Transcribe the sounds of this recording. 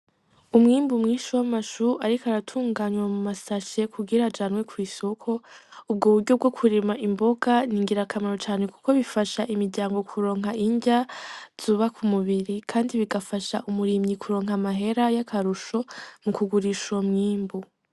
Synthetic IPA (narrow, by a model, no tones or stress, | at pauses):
umŋiːmbumŋiːʃuwamaʃuʔaɾikaɾatʰuːŋɡaːɲwamumasaʃe̞kʰuɡiɾad͡ʒaːnwe̞kʰwiːso̞kʰo̞ub̚ɡoβuɾɟob̚ɡo̞kʰuɾemaʔimbo̞ɡaniːŋɡiɾakʰamaɾot͡ʃaːne̞ku̥ko̞βifaʃaʔimiɾɟaːŋɡo̞kʰuɾo̞ːŋɦaiɲɟaz̥uːβakʰumuβiɾikʰaːndiβiɡafaʃaʔumuɾimɲikʰuɾo̞ːŋɦamaɦe̞ɾajakʰaɾuʃo̞mukuɡuɾiʃomŋiːmbu